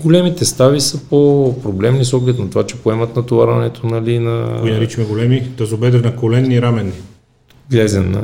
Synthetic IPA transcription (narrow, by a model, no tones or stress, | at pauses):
ɡolɛmit̪ɛst̪avisəpopɾoblɛmnisɔɡlɛt̪nɐt̪ovat͡ʃɛ̥poɛmɐt̪nɐt̪ovaɾɐnɛt̪ʰonɐlinɐkoinnɐɾit͡ʃimɛɡolɛmid̪ɐzobɛd̪ɛɾnɐkolɛnːiɾamɛnːi | ɡlɛzʲɛmnɐ̰